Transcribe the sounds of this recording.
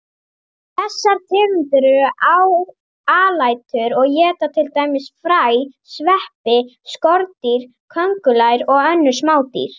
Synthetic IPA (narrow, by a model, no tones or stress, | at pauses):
θɛsːaɾt̪ʰɪːvʏnt̪ʏɾʏɾʔaw | aːlaːjt̪ʏɾɔɣjɛːt̪at̪ʰɪlt̪aːjmɪsfɾaːjsvɛhpɪskɔɾt̪iɾ̥ | kʰœŋkʏlajɾɔɣœnːʏɾ̥smaːwt̪ḭɾ̥